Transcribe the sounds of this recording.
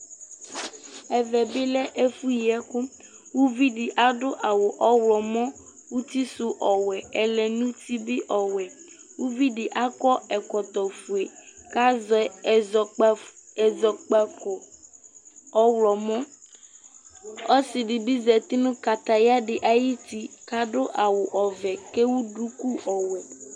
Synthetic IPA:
ɛ˨vɛ˨bi˦lɛ˦ʔe˦fu˦ji˨ɛ˦ku˦ | wu˦vi˦ɖi˨ʔa˦ɖʊ˦ʔa˨wo˨ʔɔ˦wlɔ˨mɔ̃˦ | wu˦t̪i˦su˨ʔɔ˨wɛ˨ɛ˨lɛ˨nũ˦t̪i˦bi˦ʔɔ˨wɛ˨ | wu˦vi˦ɖi˨ʔa˦kɔ˦ɛ˨kɔ˨t̪ɔ˨fu˨e˨ka˦zɛ˨˦˨zɔ˨˦ɛ˨zɔ˨k͡pa˦kɔ˨ | ɔ˦wlɔ˨mɔ̃˦ | ɔ˦si˨ɖi˨bi˦zɛ˨t̪i˦nũ˦ka˨t̪a˨ja˦ɖɪ˨ʔa˨ji˦t̪i˦ka˦ɖo˦ʔa˨wʊ˨ʔɔ˨vɛ˨ke˦wu˦ɖu˦ku˦ʔɔ˨wɛ˨

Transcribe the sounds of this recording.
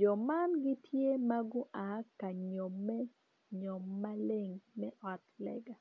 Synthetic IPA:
d͡ʒɔ˨ma˦nɡɪ˦tʰje˦ma˦ɡʊ˦ʔa˨ka˨ɲo˨mːɛ˦ | ɲo˨mːa˦le˦ŋmɛ˦ʔɔ˨tlɛ̰˨ɡa˨

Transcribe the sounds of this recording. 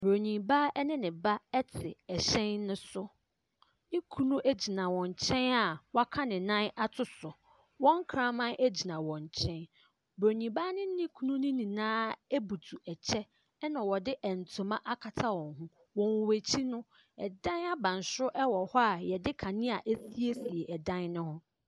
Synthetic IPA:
bɾo˨ɲĩ˨ba˦ɛ˦nɪ̃˦nɪ̃˨ba˦ɛ˦tʰɪ˨ɛ˨ɕɛ̃˦nːʊ̃˦sʊ˦ | nɪ̃˦kʰu˦nũ˦ʔæ˦d͡ʑi˨nã˨wɔ̃˨ɲ˨t͡ɕʰɛ̃˦na˨wa˦kʰa˦nɪ̃˨nã˦na˦tʰʊ˦sʊ˨ | wɔ̃˦ŋ˦kʰɾã˦mã˦nʔe˦d͡ʑi˨nã˨wɔ̃˨ɲ˨t͡ɕʰɛ̃˦n | bɾo˨ɲĩ˨ba˦nɪ̃˦nɪ̃˦kʰu˦nũ˦nɪ̃˦nĩ˨nãː˦e˦bu˨tʰu˨ɛ˨t͡ɕʰɛ˦ | nã˨wɔ˨dɪ˦ʔɛ˨n̩˨tʰʊ̃˨mã˦ʔa˦kʰa˨tʰa˦wɔ̃˨ŋɦũ˦ | wɔ̃˨wwæ˨t͡ɕʰi˦nʊ̃˦ | ɛ̰˨dã˦na˦bã˨n˨sʊ˦ʔɛ˦wɔ˨hɔ˦a˨jɛ˨dɪ˦kʰã˨nɪ̃˦a˨ʔe˦si˦e˦si˨e˨ʔɛ˨dã˦nnʊ̃˦hʊ̃˦

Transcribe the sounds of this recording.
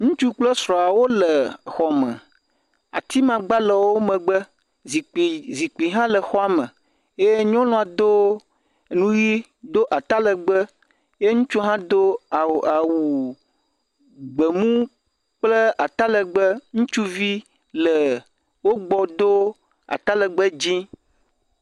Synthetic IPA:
ŋũ˦t͡ʃu˦k͡plə˦sɾɔ̃˨a˨wo˦lə˨xɔ˨mə̰̃˨ | a̰˨t̪i˦mã˨ɡ͡ba˦lə˨wo˦mə̃˨ɡ͡bə˦ | zi˨zi˨k͡pi˨ɦã˦lə˨xɔ˦a˦mə̃˨ | je˦e˦ɲɔ̃˦lɔ̃˦a˨d̪o˦˨ | nũ˦ɣi˦ | d̪o˦ʔa˨t̪a˦lə˨ɡ͡bə˦ | je˦ŋũ˦t͡ʃu˦ɦã˦d̪o˦˨a˨wu˨ | ɡ͡bə˨mũ˦ | k͡plə˦a˨t̪a˦lə˨ɡ͡bə˦ŋũ˦t͡ʃu˦vi˦ | lə˨ | wo˦ɡ͡bɔ˨d̪o˦ | a̰˨t̪a˦lə˨ɡ͡bə˦d͡ʑĩ˦

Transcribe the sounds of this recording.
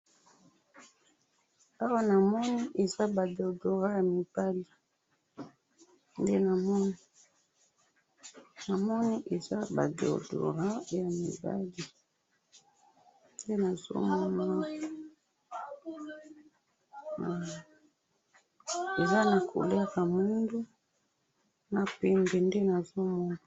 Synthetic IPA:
a˦wa˦na˨mɔ˦ni˦ʔe˨za˦ba˨do˨do˨ʁa˦ja˨mi˨b̥a˦li˨ | nde˦na˨mɔ˦ni˦ | na˨mɔ˦ni˦ʔe˨za˦ba̰˨do̰˨do̰˨ʁa˦ja˨mḭ˨ba̰˦li˨ | nde˦na˨zo̰˦mɔ˦ma˦ | a˨ | e˨za˦na˨kʰo̰˨le˦ʁa˨mu˦ndu˦ | na˨pɛ˨mbɛ˨nde˦na˨zo˦mɔ˦ma˨

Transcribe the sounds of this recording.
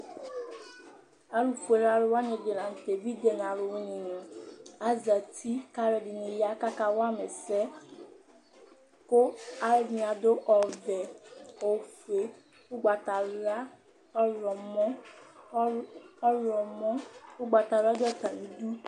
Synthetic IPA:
a˦ɾu˨fe˨ɾa˦lo˦wa˦ɲẽ˨de˨nã˨n̩˨t̪e˨vi˦d̪e˨n˨ã˨lo˨wo˦ɲĩ˨nɔ̃˨a˦za˨tʰi˦ka˦ɾe˨ɖi˨nĩ˨ja˦ka˦ka˦wo˦a˦me˨sɛ˦ | ko˦a˦mĩ˨a˨d̪o˦ʔɔ˨vɛ˨o˨fu˨e˨ | wo˦ɡ͡ba˨t̪a˨ɾa˦ | lɔ˨mɔ̃˦ | lɔ˨mɔ̃˦wo˦ɡ͡ba˨t̪a˨ɾa˦dɔ˦t̪ã˨n̩˨˦du˦

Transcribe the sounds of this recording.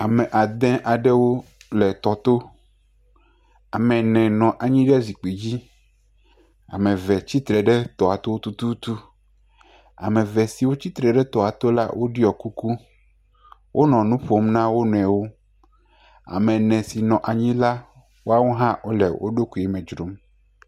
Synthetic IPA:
a˨mɛ̃˨ʔa˨d̪ɛ̃˦ʔa˨ɖɛ˦wo˦lɛ˨t̪ɔ˨t̪o˦ | a˨mɛ̃˨nɛ̃˨nɔ̃˨ʔa˨ɲĩ˦ɖɛ˦zi˨k͡pi˨d͡ʑi˦ | a̰˨mɛ̃˨vɛ˨t͡ɕi˦t̪ɾɛ˨ɖɛ˦t̪ɔ˨a˨t̪o˦wo˦t̪u˦t̪u˦t̪u˦ | a̰˨mɛ˨vɛ˨si˨wo˦t͡ɕi˦t̪ɾɛ˨ɖɛ˦t̪ɔ˨a˨t̪o˦la̰˦wʔo˦ɖi˦ɔ˨ku˦ku˦ | wʔo˦nɔ̃˨nũ˦ɸo˦mnã˦wo˦nɛ̃˨wo˦ | a̰˨mɛ̃˨nɛ̃˨si˨nɔ̃˨ʔa˨ɲĩ˦la˦ | wo˦a˦wo˦ɦã˦wo˦lɛ̰˨wʔo̰˦ɖo˦ku˨ɛ˦mɛ̃˨d͡ʒɾo˨˦m

